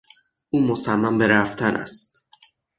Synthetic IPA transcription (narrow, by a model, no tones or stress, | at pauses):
uːmosæmːæmbe̞ɾæft̪ʰænʔæ̰st̪